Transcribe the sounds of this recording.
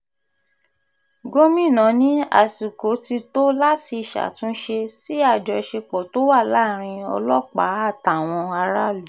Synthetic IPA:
ɡo˦mĩ˦˨nã˨˦nĩ˦a̰˨su˨ko˨˦ti˧to˦la˦ti˧˨ʃa̰˨tũ˨˦n̩˦ʃe˧si˦a˦˨d͡ʒɔ˨˧ʃe˧k͡pɔ˨to˨˦wa˦˨la˨˦˨ɾ̃ĩ˧ɔ̰˧lɔ˦k͡pa˨˦a˦˨ta˨w̃ɔ̃˧a˧ɾa˦lu˨

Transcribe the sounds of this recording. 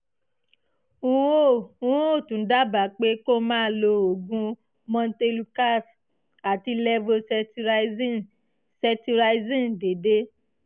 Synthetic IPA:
u˦o˦ũ˦o˦˨tũ˨n̩˦da˦ba˨˦k͡pe˦ko˦mãː˦lo˧o˨ɡũ˧˦ | mɔ̃˧n˦te˧lu˧ka˦˨s | a˨ti˧lɛ˧vo˧sɛ˧ti˧ɾ | sɛ˧ti˧ɾa˧i˦zĩ˦de˨de˦

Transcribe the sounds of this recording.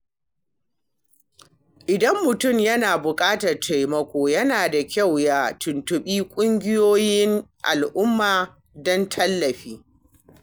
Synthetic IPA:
ʔɪ˨dɐ˦mːʊ˨tʊ˦˨mjɐ˦naː˨bʊ˨kʼaː˦tɐ˨rtʰa˨jmɐ˦kʷoː˨jɐ˦naː˨da˨kʲa˦˨wja˦tʊ˨ntʊ˨ɓiː˦kʷʼʊ˦ŋɡʲɪ˦joː˦jɪ˦nʔa̰˨lʔʊ˦mːaː˨ | dɔ˦ntʰɐ˦lːɐ˨ɸiː˦

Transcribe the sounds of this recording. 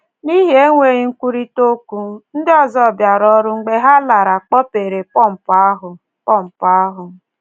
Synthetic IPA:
ni˦ɦi˦e˦ŋʷe˨ɣi˨˦ŋ̩˦kʷu˦ɾi˦to˦ku˦n̩˦dɪ˦ɔ˦zɔ˦˨bja˨ɾɔ˦ɾʊ˦ŋ͡m̩˦ɡ͡be˦ɦa˦la˨ɾa˨k͡pɔ˦pe˨ɾe˨k͡pɔ˦˨m̩˨pa˦ɦʊ˨ | pɔ˦˨m̩˨pa˦a˦ɦʊ˨

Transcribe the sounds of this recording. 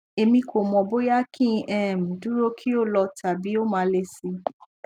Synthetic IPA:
e˧mĩ˧kʰo˨mɔ̃˨bo˦ja˦kʰĩ˦˧ʔɛ˦˨mĩ˨du˦ɾo˦kʰi˦o˦lɔ˧tʰa˨bi˨˦o˦mãː˨˧˦le˧si˧

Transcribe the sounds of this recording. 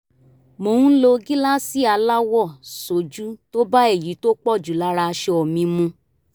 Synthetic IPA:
mo˨˦˨ũ˦lo˧ɡi˦la˦si˦a˧la˦wɔ˦˨so˨d͡ʒu˨˦to˦ba˦e˦˨ji˨˦to˦k͡pɔ˦˨d͡ʒu˨la˨˦ɾa˧ʃe˧ɔ˨mĩ˧mũ˧

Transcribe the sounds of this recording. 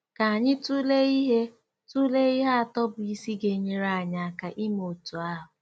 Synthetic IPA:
ka˨a˨ɲɪ˦tu˦le˦i˦ɦe˦ | tu˦le˦i˦ɦa˦a˨tɔ˦bʊ˨i˦si˦ɡe˨ɲe˦ɾa˦˨ɲa˨ka˨ʔi˦mo˨tu˨a˦ɦʊ˨

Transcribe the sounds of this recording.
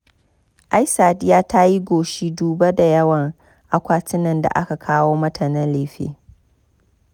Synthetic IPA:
ʔa˦jsaː˨dɪ˦jaː˦ta˦ji˦ɡʷoː˨ʃi˦duː˨bɐ˦da˨jɐ˦wɐ˨ŋ | ʔa˨kʷaː˦tɪ˦nɐ˨nda̰˨ʔa˦ka˨kʰaː˦woː˦mɐ˦tʰɐ˨nɪ˦nleː˨ɸḛː˦

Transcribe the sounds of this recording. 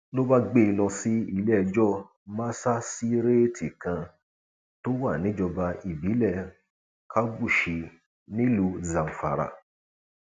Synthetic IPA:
lo˦ba˦ɡ͡be˦˨i˧lɔ̃˧si˦i˦˧lɛ˦˧d͡ʒɔ˦˨ | mã˦sa˦si˦ɾe˦ti˨kã˧ | to˦wa˦˨nĩ˨˦d͡ʒɔ˧ba˧i˨bi˨˦lɛ˦˨ | kʰa˦bu˦˨ʃi˨˧ | nĩ˦lu˧za˨m̩˨fa̰˨ɾa̰˨

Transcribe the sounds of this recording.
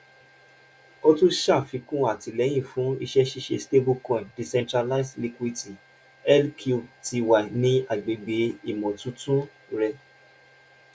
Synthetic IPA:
o˦tũ˦ʃa˦˨fĩ˨˧kũ˦a˦˨ti˧lɛ˨˦j̃ĩ˦˨fũ˨˦i˧ʃɛ˦ʃi˦ʃe˧ste˦bu˦kɔ̃˧˨di˨sɛ̃˧ntɾa˧la˧i˨sli˧kwi˧ti˨ | ɛ˦lkʰu˧ti˧wa˨nĩ˦a˨ɡ͡be˨ɡ͡be˨˦i˦˨mɔ̃˨tũ˨˦tũ˦ | ɾɛ˧

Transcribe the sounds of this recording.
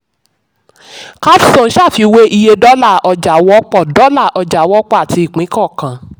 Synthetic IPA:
ka˦fi˦sõ˦˨˦ʃa˦˨fi˧we˦ʔi˧je˧dɔ˦la˦˨ɔ˧d͡ʒa˨wɔ˦k͡pɔ˦˨dɔ˨˦la˦˨ʔɔ˧d͡ʒa˨wɔ˦k͡pɔ˦a˨tʰi˧i˨k͡pĩ˨˦kɔ˦˨kã˨

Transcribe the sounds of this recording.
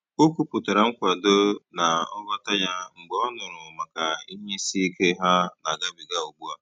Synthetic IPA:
o˦ku˨pʊ˨ta˨ɾa˨ŋ̩˦kʷa˨do˦na˨ɔ˦ɡɔ˦ta˦ja˦ŋ͡m̩˨ɡ͡bɔ˨˦ɔ˦nʊ˨ɾʊ˨ma˨ka˨i˦ɲe˦si˦i˦ke˦ɦa˦na˨ɡa˦bi˨ɡa˦o˨ɡ͡bu˦a˦

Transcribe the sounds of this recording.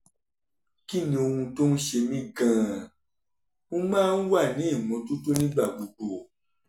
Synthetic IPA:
ki˦˨nĩ˧o˧hũ˧to˦n̩˦ʃe˧mĩ˦ɡãː˨ | ũ˦mãː˦n̩˦wa˦˨nĩ˨˦i˦˨mɔ̃˨˧˦to˦to˦nĩ˦ɡ͡ba˦˨ɡ͡bu˨ɡ͡bo˨

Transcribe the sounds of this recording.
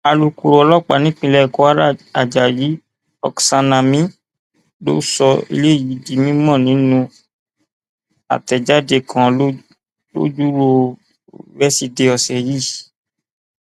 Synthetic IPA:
a˨lu˨ku˨ɾɔ˨˧lɔ˦k͡pa˨nĩ˦k͡pĩ˧lɛ˦˨kɔ˨˦a˦ɾa˦a˨d͡ʒa˨ji˨˦ | ɔ̰˧ksa˧nã˧mĩ˦ | lo̰˦sɔ˧ḭ˧le˦˨ji˨˦di˧˦mĩ˦mɔ̃˦˨nĩ˨˦nũ˧ | a̰˨tɛ˨d͡ʒa˦de˧˨kʰã˨˦ | lo̰˦d͡ʒu˦ɾo˧ | wɛ˦si˧de˧ɔ˧sɛ˨ji˦˨

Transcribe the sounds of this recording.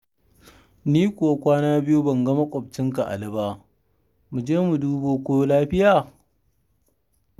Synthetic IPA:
niː˦kʷʊ˨wa˦kʷaː˦naː˦bɪ˦ju˦bɐ˨ŋɡɐ˦ma˦kʷʼɔ˨b̚t͡ʃɪ˦ŋk̬a˨ʔa̰˨lɪ˦baː˦ | mu˨d͡ʒeː˦mu˨duː˦boː˨kʷoː˦jo˦laː˦ɸɪ˦jaː˨

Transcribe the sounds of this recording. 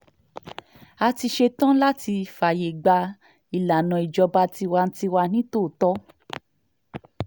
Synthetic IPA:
a˧ti˧ʃe˧tã˦la˦ti˧fa˨je˨ɡ͡ba˧ | i˨la˨nɔ̃˨i˨d͡ʒɔ˧ba˧˦ti˧wa˧n̩˦ti˧wa˧nĩ˦to˦˨tɔ˦

